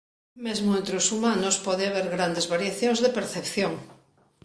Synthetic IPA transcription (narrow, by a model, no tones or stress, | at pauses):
mezmoẽnt̪ɾeosumãnospɔðeaβ̞eɾɣɾand̪ezβaɾjaθjõŋzðepeɾθepθjoŋ